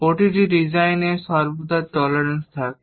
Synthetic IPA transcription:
poʈiʈiɾid͡ʑajneʃɔɾbod̪aʈɔlaɾenst̪ʰak̚

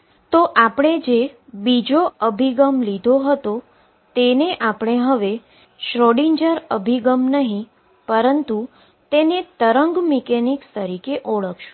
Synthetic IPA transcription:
t̪oʔapɳ̃ed͡ʒebid͡ʒoəbʱiɡəmlid̪ʱoɦət̪o | t̪eneʔapɳ̃eɦəʋe | ʃɾoɽiɲd͡ʒəɾəbʱiɡəmnəɦĩ | pəɾənt̪u | t̪enet̪əɾəŋɡmikenikst̪əɾikeʔoɭəkʰʃũ̥

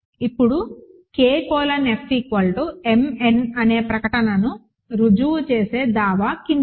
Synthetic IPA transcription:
ipːuɽu | keːkɔːlɐnepːikʋɐlʈuemenɐne̞ːpɾɐkɐʈɐnɐnu | ɾud͡ʒuʋut͡ʃeːse̞ːd̪aːʋaːkin

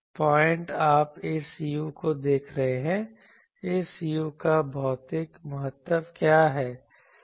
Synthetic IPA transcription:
pɔːɪ̃ɳʈaːpeːsijukod̪eːkʰɾɐɦeɦɛ̃ | eːsijukabʱɔːt̪ɪkmʊɦət̪ːəbkjaːɦɛː

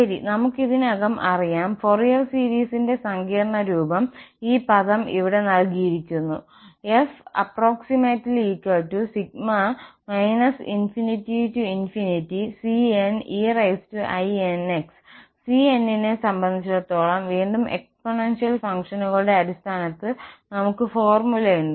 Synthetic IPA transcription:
ɐɾḭnɐmukːiðinɐɣɐmʔɐrijaːmforijɐrsiːɾiːsinde̞sɐŋɡiːrɐɳɐɾuːbɐmiːpɐðɐmiʋiɽe̞nɐlkiːɾikʲːunːu | efɐ̰pro̞ːksimetːliːkːɐɭʈːusiɡ̚mɐmɐjnɐsinfinitːituinfinitːisienirɐjstuʔɐjeneksː | ienːinesɐmbɐnd̪ʱit͡ɕːuɽɐt̪ːo̞ːɭɐmʋiːɳɖumḛkspoɳenʂijɐlfɐŋkʂɐnuɣɐɭuɽe̞ɐɾist̪ʰaːnɐt̪ːɨnɐmukːɨfo̞ːrmulɐjuɳɖɨ

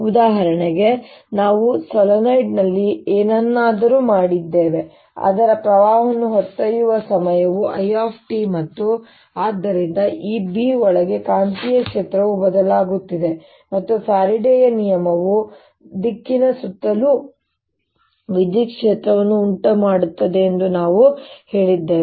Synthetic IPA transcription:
ud̪aːɦɐɾɐɳeɡe̞ | naːʋusɔlɐnɐjɖnɐlːieːnɐnːaːd̪ɐɾuːmaːɽid̪ːeːʋe̞ | a̰ːd̪ɐɾɐpɾɐʋaːɦɐnuɦɐt̪ːɐjuʋɐsɐmɐjɐʋuʔɐjaːpʰʈimɐt̪ːu | aːd̪ːɐɾind̪ɐʔiːbiɔɭɐɡekaːnt̪ijɐkʂeːt̪ɾɐʋubɐd̪ɐlaːɡut̪ːid̪e̞ | mɐt̪ːupaːɾiɖɛjɐnijɐmɐʋu | d̪ikːinɐsut̪ːɐlu | ʋid̪ikʂeːt̪ɾɐʋɐnːuːɳʈɐmaːɽut̪ːɐd̪e̞ːnd̪unaːʋuhe̞ːɭid̪ːeː

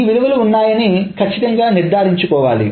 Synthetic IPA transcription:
ʋiɾuʋɐluːnːaːjɐnikʰɐt͡ʃːit̪ɐŋɡaːniɾd̪ʱaːɾiɲt͡ʃukɔːʋa̰ːlḭ

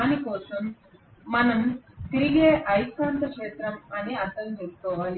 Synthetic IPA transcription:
anikoːsuːn | mɐnɐmk̪ɾiɡeʔɐjsaːnt̪ɐkʂeːt̪ɾɐmɐniɐt̪ɐlɦeskoːʋal

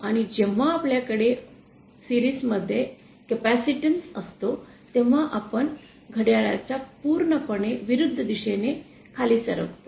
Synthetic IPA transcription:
aɽ̃id͡ʑeʋ̤aːpljakəɽe | siɾiːsməd̪ʱːje | kəpæsiʈənsəst̪o | t̪eʋ̤aʔapəɳ | ɡʱəɽjaɭat͡ɕapuɾɳəpəɳeʋiɾud̪ʱːəd̪iɕene | kʰaliːsə̰ɾəkt̪o

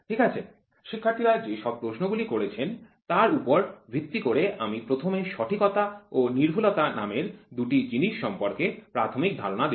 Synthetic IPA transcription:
ʈʰikat͡ɕʰe | ʃikʰːaɾt̪ʰiɾaɾd͡ʑeʃɔb̚pɾoʃnoɡulikoɾet͡ɕʰen | t̪aɾupoɾbʱɾit̪ːikoɾeʔamipɾot̪ʰomeʃɔʈʰikɔt̪aoniɾbʱulot̪anameɾd̪uʈid͡ʑiniʃːɔmpoɾkepɾat̪ʰomik̚d̪ʱaɾonad̪e

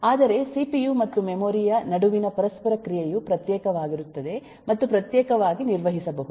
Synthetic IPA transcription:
aːd̪ɐɾe̞sipijuːmɐt̪ːumemoːɾijɐnɐɽuʋinɐpɐɾɐspɐɾɐkɾijejupɾɐt̪jɛːkɐʋaːɡiɾut̪ːɐd̪e̞ | mɐt̪ːupɾɐt̪jɛːkɐʋaːɡiniɾʋɐɦisɐbɐɦu

